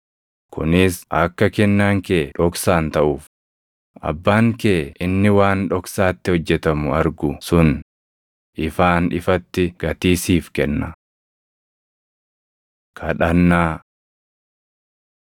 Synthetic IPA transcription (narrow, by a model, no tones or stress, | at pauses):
kʰʊ̰nɪsʔɐkːɐkɛnːaːŋkeːᶑɔksaːnt̪ɐʔuːf | ʔɐ̰bːaːŋkeːʔɪnːɪwaːnᶑɔksaːt̪ːɪhɔd͡ʒːɛt̪ɐmʊɐɾɡʊsʊn | ʔɪfaːnᶑɪfɐt̪ːɪɡ̥ɐt̪iːsiːfkɛnːɐ | kʰɐᶑɐnːaː